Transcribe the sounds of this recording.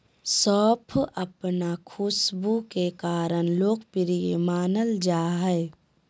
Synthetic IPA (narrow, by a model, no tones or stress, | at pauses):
sɔːpʰəpnakʰʊsbukekaːɾənloːkpɪɾijḛmaːnəld͡ʒaːɦɛe